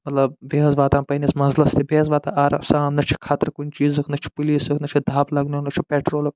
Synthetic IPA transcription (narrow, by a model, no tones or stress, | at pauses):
mɐt̪lɐb̚beɦɐzʋaːt̪aːnpɐnismɐzlɐst̪ibeɦɐzʋaːt̪aʔaːɾɐsaːmnɐt͡ʃʰi̥kʰaːt̪ɾkunʲt͡ʃiːzɨkʰnɐt͡ʃʰi̥puliːsɨkʰnɐt͡ʃʰid̪ʱaːplɐɡnunɐt͡ʃʰipeːʈɾoːlɐk